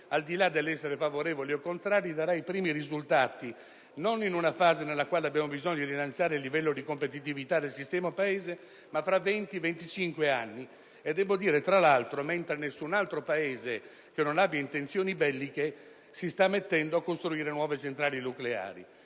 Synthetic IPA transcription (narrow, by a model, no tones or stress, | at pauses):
ald̪ilad̪ːelːɛsːeɾefavoɾeːvoliokːont̪ɾaːɾjid̪aɾaipɾiːmiɾizult̪aːt̪i | noninunafaːzenelːakwaːleabːjaːmobizoɲːod̪iɾilant̪sjaːɾeilːivɛlːod̪ikompet̪̬it̪̬ivit̪ad̪elsist̪ɛːmaopaeːze | mafːɾavɛnt̪ivent̪it͡ʃiŋkweanːi | ed̪ːɛːbod̪iːɾet̪ɾalalt̪ɾoment̪ɾenesːunalt̪ɾopaeːze | k̟enːonabjaint̪ent̪sjoːnibɛlːike | sist̪amːet̪ːɛnd̪oakːost̪ɾuiːɾenwɔːvet͡ʃent̪ɾaːlinuklea̰ːɾḭ